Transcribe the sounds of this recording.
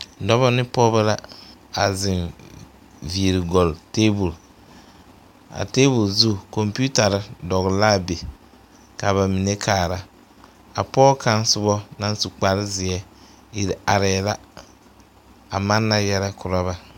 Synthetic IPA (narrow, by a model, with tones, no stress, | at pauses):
dɔ˦βɔ˦nɪ˦pɔ˦ba˦la˦a˨zɪ˨n | vi˨ɾɪ˨ɡɔ˨lteː˦bu˨l | a̰˨teː˦bʊ˨lzu˦˨kɔ˨mpi˦u˦ta˨ɾɪ˦dɔ˨ɣɪ˨la˦˨be˨ | ka˨βa˨mi˨ne˦kʰaː˨ɾa˦ | a˨pɔː˦ka˦n˦sʊ˦bɔ˦na˦n˦su˨k͡pa˨ɾɪ˦zɪ˨ɛ˦ | i˨ɾi˨a˨ɾɛ˨la˦ | a˨ma˦nːa˦jɛ˦ɾɛ˦kʰʊ˨ɾa˦βa˦